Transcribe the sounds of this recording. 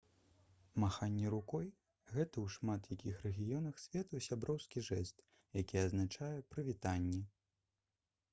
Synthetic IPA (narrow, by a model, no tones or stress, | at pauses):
maxanʲːɛɾukɔj | ɣɛt̪ɐwʂmat̪jakʲixɾɛɣʲijɔnɐxsʲvʲɛt̪usʲabɾɔwskʲiʐɛst̪ | jakʲiɐznat͡ʂajɛpɾɨvʲit̪anʲːɛ